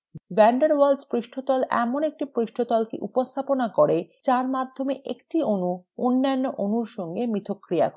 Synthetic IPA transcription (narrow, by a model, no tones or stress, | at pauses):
bɛɳɖaɾwalspɾiʃʈʰot̪ɔlɛ̰monek̚ʈipɾiʃʈʰot̪ɔlkḭʔupost̪ʰaponakoɾet͡ɕaɾmad̪ʱːomeʔḛkʈionuonːanːoʔonuɾʃɔŋɡemit̪ʰokːɾija̰k